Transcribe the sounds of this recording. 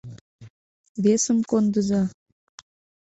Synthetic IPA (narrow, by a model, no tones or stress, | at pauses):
βesəmkond̪əzɑ